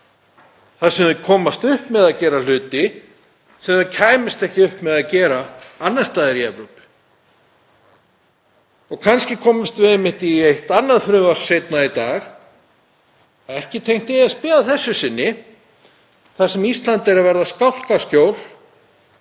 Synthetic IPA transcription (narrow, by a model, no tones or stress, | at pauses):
θasɛmvɪkʰɔːmast̪ʏhpmɛðacɛːɾal̥ʏːt̪ɪ | θɛmacʰaːjmɪst̪ɛhcɪʏhpmɛðacɛːɾaanːḁst̪aːðɪɾiɛvɾowpɪ̥ | ɔɣkʰanscɪkʰɔːmɪst̪vɪðɛmːɪht̪iejht̪anːaɾθɾʏːvḁsejt̪nait̪aːx | ɛhcɪt̪ʰejŋ̥t̪ɪaspɪːðaθɛsːʏsɪnːɪ | θasɛmist̪lant̪ɛɾavɛɾðaskawl̥kasc̪joːwl̥